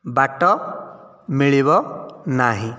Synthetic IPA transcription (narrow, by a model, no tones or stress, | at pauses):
baʈɔ | miɭibɔnaɦĩ